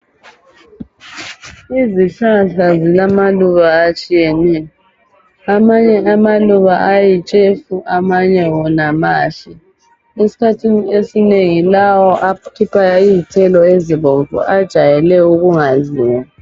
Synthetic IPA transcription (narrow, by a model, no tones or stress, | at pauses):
iziɬaɬazilamaluβaːt͡ʃʼijɛnɛjɔ | amaɲɛamaluβaʔajit͡ʃʼefuʔamaɲɛwɔnamaːɬɛ | esi̥kʰatʰiniesineŋilawɔʔakʰipʰʼaiːtʰɛlɔeziβɔɱvʱɔ̰ʔad̥ʒ̥ʱajɛlɛuɣuŋaziːwa